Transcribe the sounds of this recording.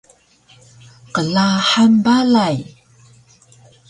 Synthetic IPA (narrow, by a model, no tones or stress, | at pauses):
qəɮaħambalaj